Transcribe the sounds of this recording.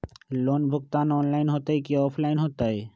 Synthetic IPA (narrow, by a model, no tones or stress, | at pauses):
lonbʱokt̪anɔnlajnɦot̪ajkiɔpʰlajnɦot̪aj